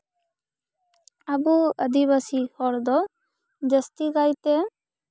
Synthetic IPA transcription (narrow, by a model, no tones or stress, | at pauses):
abuəd̪iβasihɔɾd̪ɔ | d͡ʒəst̪iɡajt̪ɛ